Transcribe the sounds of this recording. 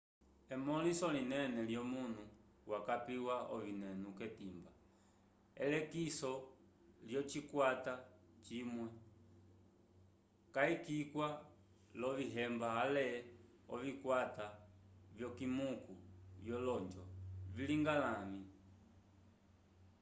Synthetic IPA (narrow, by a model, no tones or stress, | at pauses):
ɛmɔlisɔlinɛnɛljɔmun̤u | wʔakapiwaɔvinɛnukɛtimba | ɛ̰lɛkisɔ | ljɔt͡ʃikwata | t͡ʃimwɛ | kaikikwa | lɔviɦɛmbaalɛ | ɔvikwatavjɔkimukujjɔlɔɲd͡ʒɔviliŋɡalami